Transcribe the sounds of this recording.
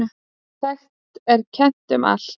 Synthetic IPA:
θɛxtt̪ɛɾcʰɛn̥t̪ʏma̰l

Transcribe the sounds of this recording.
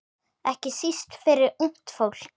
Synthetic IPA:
ɛhcɪsist̪fɪɾɪɾun̥t̪fowl̥

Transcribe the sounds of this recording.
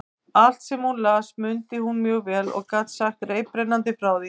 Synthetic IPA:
al̥t̪sɛmhunlaːsmʏnt̪ɪhunmjœːɣvɛːlɔ̰ɣkat̪saxt̪reːjpɾenant̪̬ɪfɾaːwðɪ

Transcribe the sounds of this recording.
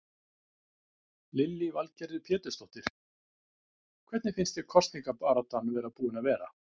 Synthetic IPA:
lɪlːɪvalcɛɾɪðpʰjɛːt̪ʏst̪ɔht̪ɪɾ̥ | kʰv̥ɛt̪nɪfɪnst̪jɛɾ̥kʰɔst̪niŋkapaːɾat̪anvɛɾaðpuːɪnaðvɛːɾa̰

